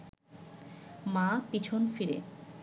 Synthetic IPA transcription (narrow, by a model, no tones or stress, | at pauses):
mapit͡ɕʰonfiɾḛ